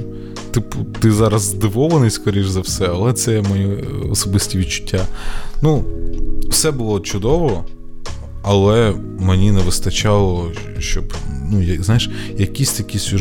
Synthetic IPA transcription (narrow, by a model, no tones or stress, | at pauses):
t̪ɪpt̪ɪzɑɾɐzd̪ɪʋɔʋɐnɪjsʲkɔɾʲiʒzɐwsɛɐlˠɛt̪sɛɛmɔjiɔ̰sɔbɪsʲtʲiʋʲid̪̚t͡ʃʊ̥tʲːanu | w̥sɛbʊlˠɔt͡ʃʊd̪ɔʋɔ | ɐlˠɛ | menʲinɛʋɪst̪ɐt͡ʃɑlˠɔ | ʃt͡ʃɔbnujɐznɑjɪʃjɐkʲisʲt̪ɐkʲisʲʊ